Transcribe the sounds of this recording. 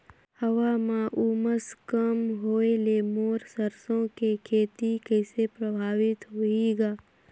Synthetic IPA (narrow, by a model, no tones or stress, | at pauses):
həʋamãʔuːməskəmɦoːelemoːɾsəɾsõkekʰeːt̪ikɛːsepɾəbʱaːʋɪt̪ɦoiɡaː